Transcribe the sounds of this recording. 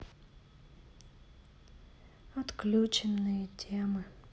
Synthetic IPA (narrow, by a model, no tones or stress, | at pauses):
ɐt̪klʲut͡ɕɪnːɨjətʲʰemɨ